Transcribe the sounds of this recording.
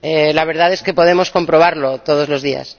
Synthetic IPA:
elaβ̞e̞ɾðaðe̞ske̞po̞ð̞e̞mo̞sko̞mpɾo̞β̞aɾlo̞t̪o̞ð̞o̞zlo̞zðia̰s

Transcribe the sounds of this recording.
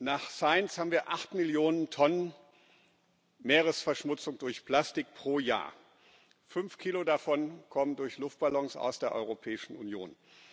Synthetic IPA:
naːχsaɪnshaːbm̩viːɐʔaχtmɪljoːnəntʰɔnən | meːʁəsfɛɐʃmʊt͡sʊŋdʊɐçpl̥astɪk̚pʁ̥oːja̰ːɐ | fʏnfkʰiːlodafɔnkʰɔməndʊɐçlʊft̚b̥alɔŋsa̰ʊsd̥eːɐʔɔ̰ʏʁopʰɛːɪʃn̩unjo̰ːn

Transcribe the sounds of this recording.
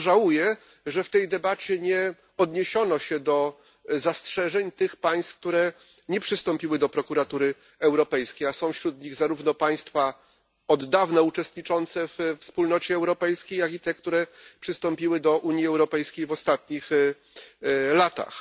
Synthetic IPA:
ʐawujɛ | ʐɛft̪ɛjd̪ɛbat͡ɕɛɲɛ | ɔd̪ɲeɕɔnɔɕɛd̪ɔ | zastʂɛʐɛɲt̪ɘxpaj̃st̪k̚t̪uɾɛ | ɲɛpʂɨst̪ɔmpʲiwɘd̪ɔpɾɔkuɾat̪uɾɘ | ɛwɾɔpɛjskʲejasɔ̃w̃fɕɾud̪ɲiɣzaɾuvnɔpaj̃st̪fa | ɔd̪ːavnaut͡ʂɛst̪ɲit͡ʂɔnt̪sɛvfspulnɔt͡ɕɛːwɾɔpɛjskʲejaɡit̪ɛkt̪uɾɛpʂɘst̪ɔmpʲiwɘd̪ɔʔuɲjiɛwɾɔpɛjskʲejvɔst̪at̪ɲix | lat̪a̰x

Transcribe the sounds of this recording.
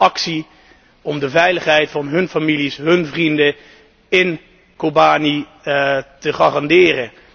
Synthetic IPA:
ɑksi | ɔmdəvɛjləχɦɛjtfɑnɦɵnfamilisɦɵnvrində | ɪn | kobaːni | təχaːrɑndɪːrə

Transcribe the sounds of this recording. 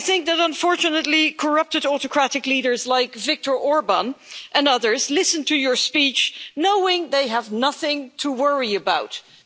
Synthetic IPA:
aθɪ̃ŋk̚ðɨɾə̃ɱfɔɹt͡ʃɨnətˡlikʰə˞ʌp̚tɨɾɔtɨkʰɹ̥æɾɨkliɾə˞zlaɪkvɪk̚tə˞ʔɔɹbə̃nʔɨ̃nʌðə˞zlɪsə̃ntʰɨjə˞spit͡ʃnoʊɪ̃ŋðeɪəvnʌθɪ̃ŋtʰəwɜɹiɨbaʊt

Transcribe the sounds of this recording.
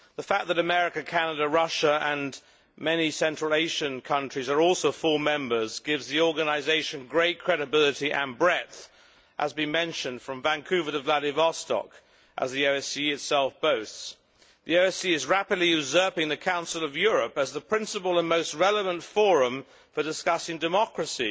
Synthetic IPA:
ðəfæk̚ðɨɾɨmɛɹɨkɨkʰænəɨɾɨɹʌʃəə̃n | mɛnisɛ̃nt͡ʃɹ̥əlˠeɪʃɨ̃nkʰʌ̃nt͡ʃɹ̥izə˞ɔlˠsoʊfʊlˠmɛ̃mbə˞zɡɪvzðiɔɹɡɨnɨɪzeɪʃɨ̃nɡɹeɪt̚kʰɹ̥ɛɾɨbɪlˠɨɾiʔɨ̰̃nbɹɛtθ | ʔəzbɨ̃nmɛ̃nʃɨ̃nd̥fɹʌ̃ɱvæ̃nkʰʉvəɾɨvlæɾɪvɑstɑ̰k | ʔə̰zðioʊɛsiɨtsɛlˠfb̥oʊθs | ðioʊɛsiɨzɹæpɨdˡliɨzɜ˞pɪ̃ŋðɨkʰãʊ̃nsl̩ˠʌvjʊɹɨpɨzðəpʰɹ̥ɪ̃nsəpəl̩ˠə̃nmoʊst̚ɹɛlˠəvə̃ntfɔɹə̃ɱ | fə˞dɨskʌsɪ̃ŋdɨmɑkɹɨsi

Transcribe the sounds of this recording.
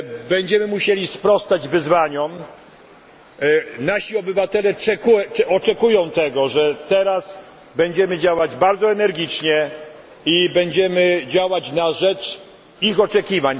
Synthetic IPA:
bɛɲd͡ʑɛmɘmuɕelʲispɾɔst̪ad͡ʑvɘzvaɲɔm | naɕiɔbɘvat̪ɛlɛt͡ʂɛkuɔt͡ʂɛkujɔ̃w̃t̪ɛɡɔʐɛt̪ɛɾas | bɛɲd͡ʑɛmɘd͡ʑawad͡ʑbaɾd̪zɔɛnɛɾɡʲit͡ʂɲɛ | ibɛɲd͡ʑɛmɘd͡ʑawat͡ɕnaʐɛt͡ʂ | ixɔt͡ʂɛkʲivaɲ

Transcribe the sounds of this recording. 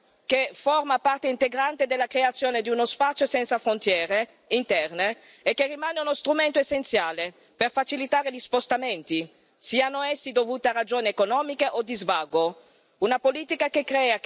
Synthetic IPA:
keformapart̪eint̪eɡɾant̪ed̪elːakɾeat̪sːjoːned̪iunospat̪sjosɛnt̪safɾont̪jɛːɾe | int̪ɛrneː | kːerːimaːneunost̪ɾument̪oesːent̪sjaːle | perfat͡ʃilit̪aːɾeʎispost̪ament̪i | siːanoɛsːid̪ovuːt̪earad͡ʒoːneekonɔːmikeʔod̪izvaɡo | unapoliːt̪ikakekɾɛːa

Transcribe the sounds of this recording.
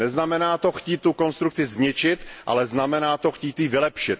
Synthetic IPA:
nɛznamɛnaːt̪o̞xciːt̪ːuko̞nst̪ɾukt͡sɪzɲɪt͡ʃɪt̪ʔa̰lɛznamɛnaːt̪o̞xciːt̪jiːvɪlɛpʃɪt̪

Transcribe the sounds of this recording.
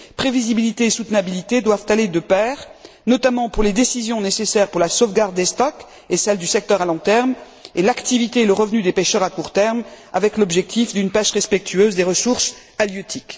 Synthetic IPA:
pχevizibilit̪eːsut̪nabilit̪ed̪wavt̪aled̪əpɛːʁ | nɔt̪amɑ̃puʁled̪esizjɔ̃nesesɛʁpuʁlasovɡaʁd̪ːest̪ɔk | esɛld̪ysɛk̚t̪œʁalɔ̃t̪ɛʁm | elakt̪ivit̪eeləʁəvnyd̪epeʃœʁakuʁt̪ɛʁm | avɛklɔbʒɛk̚t̪ifd̪ynpɛʃʁɛspɛk̚t̪yøzd̪eʁəsuʁs | aljøt̪ʰik

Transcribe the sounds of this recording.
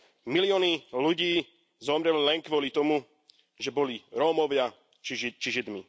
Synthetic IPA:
milɪɔːniluɟiː | zɔmɾɛlilɛŋkʋɔlit̪ɔmu | ʒɛbɔliɾɔːmɔʋɪa | t͡ʃit͡ʃiʒid̪mi

